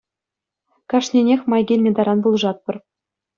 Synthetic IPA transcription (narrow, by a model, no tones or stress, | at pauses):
kɑʂnʲenʲexʲmɑjɡʲelʲmʲĕd̪ɑɾɑnbulˠʐɑt̪̚pɤ̆r